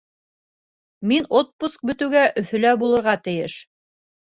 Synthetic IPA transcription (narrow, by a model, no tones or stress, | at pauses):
minot̪̚pusk̚bɵ̆t̪ɘ̆wɡæʔɵ̆θɵ̆læbulˠɤ̆ɾʁɑt̪ɘ̆jɘʃ